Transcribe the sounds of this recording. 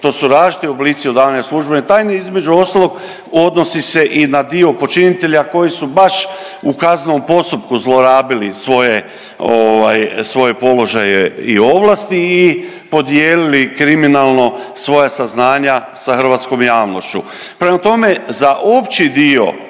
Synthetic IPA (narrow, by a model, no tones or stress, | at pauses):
t̪o̞ːsuɾaːʒit̪iobliːt̪sio̞d̪aaɲaslˠuʒbent̪aːjneizme̞d͡ʑuo̞st̪alˠoɡ | o̞d̪no̞sise̞ʔinad̪io̞po̞t͡ʃinit̪e̞ʎako̞jisubaʃ | ukaznompo̞st̪up̚kuzlˠoɾaːbilisʋo̞je | oʋajsʋo̞je̞po̞lo̞ʒajeḭo̞ʋlˠast̪iː | po̞d̪jeːlilikɾiminaːlˠno̞sʋo̞jasaznaːɲasaxr̩ʋaːt̪sko̞mjaːʋno̞ʃt͡ɕu | pɾemat̪o̞me̞zaʔo̞pt͡ɕid̪io̞̰